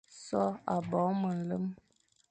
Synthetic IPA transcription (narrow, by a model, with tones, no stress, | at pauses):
sɔ˦a˨bɔ˨˦mə˨n̩˨lə˦m